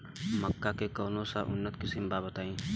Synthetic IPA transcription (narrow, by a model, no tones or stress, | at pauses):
məkːakekəːnõsa̰ʔʊnːət̪kɪsɪmbabət̪aːĩː